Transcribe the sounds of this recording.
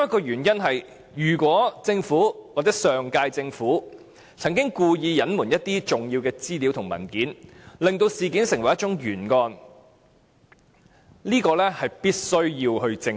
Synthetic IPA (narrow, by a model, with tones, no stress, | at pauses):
ɐ˥kːɔː˧jyː˨˩njɐ˥nɦɐ˨j | jyː˨˩kwɔː˨˥t͡sɪ˧ŋfuː˨˥waː˨k̚t͡sɛː˨˥sœː˨ŋkaː˧jt͡sɪ˧ŋfuː˨˥ | t͡sʰɐ˨˩ŋkɪ˥ŋkuː˧jiː˧jɐ˨˥nmuː˨˩njɐ˥t̚t̪iː˥t͡sʊ˨ŋjiː˧wkɛː˧t͡siː˥liː˨˥wt̪ʰʊ˨˩ŋmɐ̰˨˩nkiː˨˥nlɪ˨ŋt̪o˧wsiː˨kiː˨˥nsɪ˨˩ŋwɐ˩jɐ˥tt͡ʃʊ˨˥ŋjyː˨˩nŋɔː˧n | liː˥kɔː˧lɛː˥hɐ˨jpiː˥t̚sɵ˥ɥjiː˧wɦɵ˧ɥt͡sɪ˧ŋ